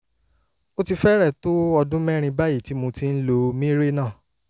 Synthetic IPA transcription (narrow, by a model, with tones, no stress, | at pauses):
o˦ti˧fɛ˦ɾɛ˦˨to˦ɔ˧dũ˦mɛ˦ɾ̃ĩ˧ba˦ji˦˨ti˨˦mõ˧ti˦n̩˦lo˧mĩ˦ɾe˦nãː˦˨